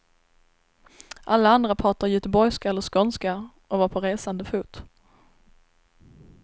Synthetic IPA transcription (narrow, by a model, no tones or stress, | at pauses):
ʔalːaand̪ɾapʰɑːʈajɵt̪əbɔjskaɛlːəʂkɔnska | ʔɔvaɾpʰɔɾeːsand̪əfuːt̪